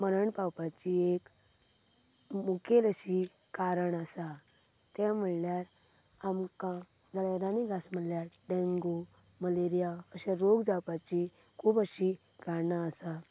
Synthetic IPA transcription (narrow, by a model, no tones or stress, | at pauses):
məɾəɳpawpat͡ɕiek | mukʰeləɕi | kaɾəɳasa | t̪jam̤əɭljaɾ | amkã | d͡zəlaɾaniɡʱasm̤əɽljaɾɖẽŋɡo | məleɾijaəɕaɾoɡd͡zawpat͡ɕi | kʰuːbəɕi | ɡanaəsa